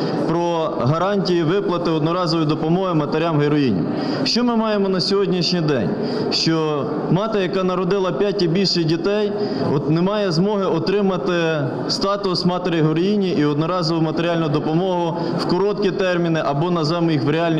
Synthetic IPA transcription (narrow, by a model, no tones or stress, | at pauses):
pɾɔ | ɦɐɾɑnʲtʲijiʋɪplˠɐt̪ɪɔd̪nɔɾɑzɔʋjd̪ɔpɔmɔɦɪmɐt̪eɾʲamɦeɾɔjinʲḭ | ʃt͡ʃɔmɪmɑjemɔnɐsʲɔɦɔdʲnʲiʃnʲijd̪ɛ̰nʲ | ʃt͡ʃɔ | mɑt̪ɐjɐkɑnɐɾɔd̪ɪlˠɐpʲjatʲibʲilʲʃɪjdʲit̪ɛj | ɔt̪nemɑjɛzmɔɦɪɔt̪ɾɪmɐt̪ɪ | st̪ɑt̪ʊsmɑt̪eɾɪjɦɔɾɔjinʲiʔiɔd̪nɔɾɑzɔʋʊjmɐt̪eɾʲɪɑlʲnʊjd̪ɔpɔmɔɦʊ | wkɔɾɔt̪̚kʲit̪ɛrmʲinɪʔɐbɔnɐzɛmʊjixʋɾʲeɑlʲnʲ